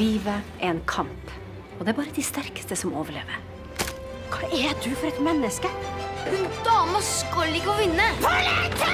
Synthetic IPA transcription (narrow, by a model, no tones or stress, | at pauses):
iːʋəʔɛnkʰɑmp | ɔd̪ɛæɾbɑːɾəd̪ɪst̪æɾkə̥st̪əsɔmoːʋəɭeːʋəɾ | kʰɑɛd̪ʉfɔɾɛt̪mɛnːəskənd̪ɑːməskɔlːɪkːəɔʋɪnːə